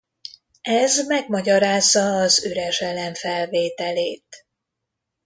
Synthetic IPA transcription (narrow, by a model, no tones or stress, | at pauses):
ɛzmɛɡ̚mɒɟɒɾaːzːɒːzøɾɛʃɛlɛɱfɛlveːt̪ɛleːt̪